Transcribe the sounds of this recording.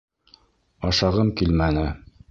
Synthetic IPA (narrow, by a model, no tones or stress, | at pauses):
ɑʃɑʁɤmkilmænɘ